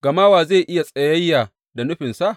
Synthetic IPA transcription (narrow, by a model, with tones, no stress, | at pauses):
ɡ̥ɐ˨maː˦waː˨zeː˦˨jʔɪ˦ja˨sʼɐ˨jɐ˦jːaː˨ | da˨nʊ˦ɸɪ˨nsa˦ʔ